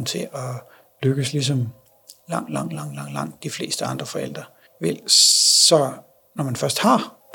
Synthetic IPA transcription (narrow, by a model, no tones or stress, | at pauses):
nt͡sʰe̝ʔɒ̽ | løɡ̥əslis̬ɒm | lɑ̈ŋ̰d̥lɑ̈ŋ̰d̥lɑ̈ŋ̰d̥lɑ̈ŋ̰d̥lɑ̈ŋ̰d̥ifle̝̰ːsd̥əɑ̈nd̥ʁɐfɒ̽el̰d̥ʁɐ | ʋel̰sɒ̽ | nɒmænfɶɐsd̥hɑ̈